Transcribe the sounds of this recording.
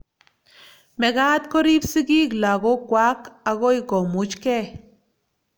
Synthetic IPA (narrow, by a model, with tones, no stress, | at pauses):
me˨ɡa˦t̪ko˦ɾi˦bsi˦ɡi˦kla˨ɡo˦kwʷa˦ka˧ɣo˦jɡo˨mu˨˦t͡ʃke˦˨